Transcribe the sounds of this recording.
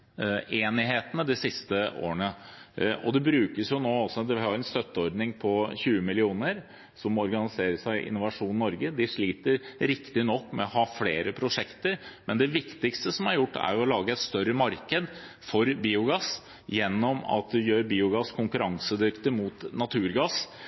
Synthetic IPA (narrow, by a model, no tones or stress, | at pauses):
eːnɪɦeːt̪ənəd̪ɪsɪst̪əʔo̰ːəɳə | ɔd̪ɛbɾʉːkəsjʊnoːɔsːɔd̪ɛʋɪhɑɾɛnst̪œt̪ːəɔɾd̪nɪŋpʰɔçʉːəmɪlɪuːnəɾ | sɔmɔɾɡɑnɪseːɾəʂæɪʔɪ̰nːʊʋɑʂuːnnːɔɾɡəd̪ɪʂɭiːt̪əɾɾɪkt̪ɪnɔkːmɛɔhɑːfleːɾəpʰɾʊʂɛkt̪əɾmɛnd̪ɛʋɪkt̪ɪkst̪əsɔmæɾjʊʈːæ̰ɾjʊɔlɑːɡəɛt̪st̪œɾəmɑɾkəd̪ | fɔɾbiːʊɡɑs | jɛnːɔmɑ̰t̪̚d̪ɛjøːɾbiːʊɡɑskʰʊŋkʉɾʔɑŋsəd̪ʏkt̪əmut̪nɑt̪ʰʉːɾɡɑs